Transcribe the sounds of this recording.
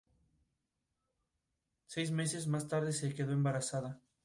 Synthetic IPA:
sejzmesɪzmast̪aɾðɪsekeðoẽmbaɾasaðɐ

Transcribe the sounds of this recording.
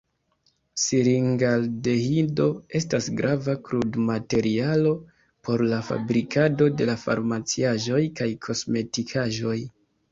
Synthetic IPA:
siɾiŋɡalde̞hido̞e̞stasɡɾavakɾudmate̞ɾialo̞ | po̞ɾlafa̰bɾikʰado̞de̞lafa̰ɾmat͡siaʒo̞jkajkʰo̞sme̞tikʰaʒo̞j

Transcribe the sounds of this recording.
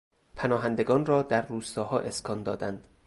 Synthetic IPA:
pʰænɒːɦænd̪e̞ɡɒːnrɒːd̪æɾːuːst̪ɒːhɒːʔeskʰɒːnd̪ɒːd̪ænd̪̥

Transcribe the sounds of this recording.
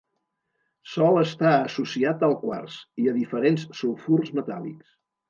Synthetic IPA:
sɔlˠəst̪aəsusiat̪əlˠkwa̰rsiəðifəɾensːulˠfurzmət̪a̰lḭks

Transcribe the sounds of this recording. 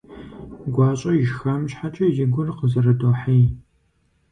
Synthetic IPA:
ɡʷɑːɕʼɐɪʒxɐmɕħat͡ʃʼɐjɪɡʷʊrqəzɐrɐdoːħij

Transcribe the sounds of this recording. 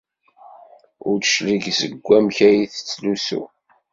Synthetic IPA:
ʊɾt͡sʃliʝzəɡʷːæmçæjiθə̥t͡sːlusṵ

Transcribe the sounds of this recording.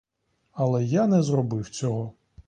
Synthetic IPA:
ɐlˠɛjanɛzrɔbɪwt͡sʲɔɦɔ

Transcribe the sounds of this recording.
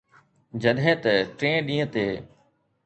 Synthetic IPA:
d͡ʑɐɗɦẽːt̪ɐʈɾẽːɗĩːə̃t̪eː

